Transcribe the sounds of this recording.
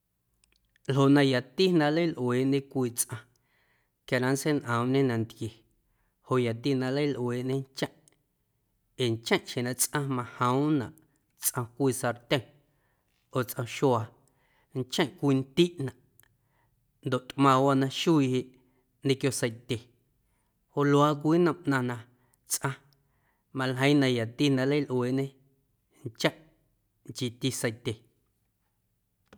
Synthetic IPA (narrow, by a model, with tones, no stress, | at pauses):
lɦo˨ʔnã˧ja˨t̪i˦nã˧lə˦jlʔweː˨ʔɲẽ˦kʷiː˧t͡sʔã˧ | kja˧˨ɾã˧nse˦nʔə̃˨mɲẽ˦nã˨nd̪kje˨ | ho˨ʔja˨t̪i˧nã˧lə˦jlʔweː˨ʔɲẽ˦nt͡ʃã˦ʔ | e˨nt͡ʃã˦˨ʔʃẽ˨nã˧˨t͡sʔã˧mã˧hə̃˦wnã˨ʔ | t͡sʔã˧kʷiː˧sa˧ɾt̪ʲẽ˦˨ | oː˨t͡sʔã˧ʃwaː˧ | nt͡ʃə̃˦˨ʔkʷiː˧nt̪i˦ʔnã˨ʔ | nd̪o˨ʔt̪ʔmã˧wa˦nã˧ʃu˦i˧he˧ʔ | nẽ˧kjo˧sə˧jt̪ʲe˨ | ho˧lwaː˧˦k̬ʷiː˦nə̃˧˨mʔnã˧nã˧ | t͡sʔã˧ | mã˧lɦə̃˧˦j̃nã˧ja˨t̪i˦nã˧lə˦lʔweː˨ɲẽ˦ | nt͡ʃã˦ʔ | ŋt͡ʃi˧t̪i˧sə˧jt̪ʲe˨